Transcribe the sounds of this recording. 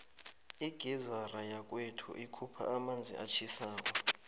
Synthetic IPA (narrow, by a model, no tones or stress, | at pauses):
iɡ̥ʱizarajak̬ʼwetʰṵʔikʰupʰa̰amand͡zʱḭat͡ʃʰisaːk̬ʼɔ